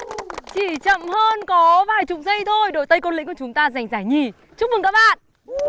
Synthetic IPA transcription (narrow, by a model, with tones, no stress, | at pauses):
t͡ɕi˧˩t͡ɕə̰˧˨mhəː˧nkɔ˨˦vaː˨˩jt͡ɕʊ˨˩ŋ͡m̚zə˧jt̪ʰo˧jɗo̰˧˨t̪ə˧jko˧nlï˧˥ŋkːt͡ɕʊ˨˦ŋ͡mt̪aː˧za˨˩jŋ̟zaː˧˩jɲi˧˩ | t͡ɕu˦˥k̚mɨ˨˩ŋkaː˦˥k̚ɓa̰ː˧˨nʔ